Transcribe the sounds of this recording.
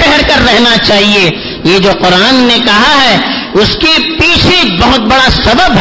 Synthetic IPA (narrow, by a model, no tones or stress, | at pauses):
ɛɦɛɾkɐɾːɛɦnat͡ʃaːɦie | jed͡ʒoːqʊɾaːnːekɐɦaɦɛː | ʊskipiːt͡ʃʰibɐɦʊt̪̚bɐɽasɐbəb